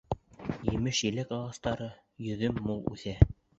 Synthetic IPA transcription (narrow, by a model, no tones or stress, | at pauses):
jɘ̆mɘʃjɘ̆lækɑlˠɑst̪ɑɾɤ | jɵ̆ðɵmːulˠʉ̰θæ